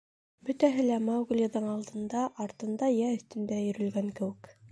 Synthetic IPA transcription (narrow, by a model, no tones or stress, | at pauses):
bɵt̪æɦɘlæmɑɡulʲjɑðɤɴɑlˠd̪ɤ̆nd̪ɑʔɑɾt̪ɤ̆nd̪ɑjæɵ̆θt̪ɵ̆nd̪æjɵ̆ɾɵ̆lɡæŋkɘ̆wɘ̆k